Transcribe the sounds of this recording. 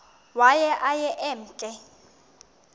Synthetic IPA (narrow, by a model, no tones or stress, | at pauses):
wajɛʔajɛʔɛm̩ːt͡ɬʼɛ